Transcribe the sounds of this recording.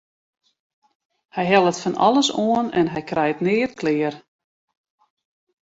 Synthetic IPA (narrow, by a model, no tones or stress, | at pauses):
hɛjɦɛlˠətfanɔ̰lˠəsoənɛ̰nɦɛjkrɛjətnɪːrkʰlɪər